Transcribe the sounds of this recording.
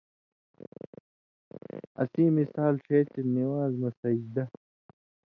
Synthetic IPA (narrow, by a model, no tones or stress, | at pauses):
ɐ̰siːmisaːlɕeːt͡ɕeniwaːzmɐsɐd͡ʑd̪ɐ